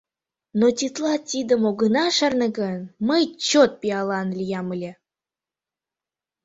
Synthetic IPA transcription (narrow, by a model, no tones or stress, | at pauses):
not̪ʲit̪lˠɑt̪ʲid̪əmoɡənɑʃərnəɡənməjt͡ɕot̪̚pʲiɑlˠɑnlʲijɑməlʲe